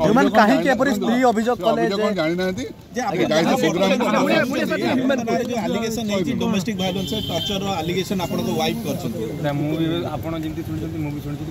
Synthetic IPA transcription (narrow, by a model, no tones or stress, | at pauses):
emankaɦĩkep̬ɔɾist̪ɾiɔbʱid͡ʒoɡkɔleed͡ʒaɽ̃inãnt̪i | d͡ʒeãkaɔpoɡɾapuɽ̃iuɽieeɦjumenɾaealiɡesɔned͡ʒidɔmesʈik̚bʱajlɔnseʈɔɾt͡ʃɔɾɔaliɡesɔnapɔɽ̃ɔkɔwajp̚kɔɾt͡ʃʰɔnt̪it̪amũbibea̰pɔɽ̃ɔd͡ʒint̪isʰuɽit͡ʃʰɔnt̪imũbit͡ʃʰɔɽ̃it͡ʃʰɔ̃t̪i